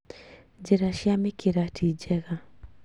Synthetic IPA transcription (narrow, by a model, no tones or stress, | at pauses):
d͡ʒeɾaʃjamekeɾatid͡ʒɛɣa